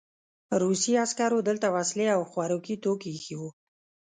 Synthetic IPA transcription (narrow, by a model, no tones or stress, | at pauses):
əɾusiaskɑɾod̪əlt̪awasleawxwaɾukit̪okexiwu